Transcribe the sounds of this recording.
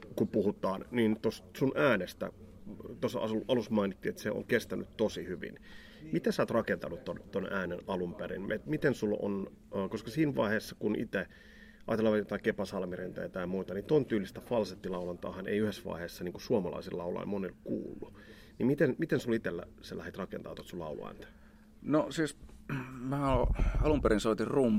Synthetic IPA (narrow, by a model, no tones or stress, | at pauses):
kupuhut̪ˑɑːnnint̪ossunʔæːnest̪æ̰ | t̪osɑ̰suʔɑlusmɑinit̪ːiːet̪seo̰ŋkest̪æny̰t̪t̪osihyʋḭn | mit̪æsɑːt̪rɑkent̪ɑnut̪t̪ont̪onæːnenɑlumperḭnmet̪mit̪ensulo̰nː | koskɑsiːnʋɑ̰iheːsːɑkunʔḭt̪e | ʔɑ̰ːt̪elːɑʋɑt̪jot̪ɑikepɑsɑlmirent̪ɑ̰jt̪ɑjmuːt̪ɑnit̪ont̪yːlːist̪æfɑlset̪ːilɑulɑnt̪ɑ̰ːhɑnḛiyhesːʋɑ̰iheːsːɑniːŋkusuomɑlɑ̰isilɑulɑ̰monilkṵːlːu | nimit̪enmit̪ensulit̪elːæ̰sælæhet̪rɑkḛnt̪ɑːˑt̪oɑt̪sulɑ̰ulṵæ̰ːnt̪æ̥ | nosiːs | mæːɑlumpeɾinsoˑit̪irum